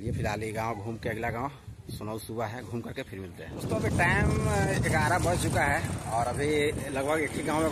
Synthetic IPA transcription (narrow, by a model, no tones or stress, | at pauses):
liepʰɪɾaːliɡãːwɡʱuːmkeəɡlaɡãːõsʊnausubaɦɛɡʱuːmkəɾkepʰɪɾmɪlt̪ḛɦɛ̰̃ʊst̪oɐbʱiʈaɪmekaɾabəɾt͡ʃʊkaɦɛɔːɾəbʱiləɡbʱəɡekʰiɡãːw̃me